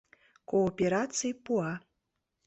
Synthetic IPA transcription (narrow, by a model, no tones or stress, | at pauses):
koːpʲeɾat̪t͡sɨjpua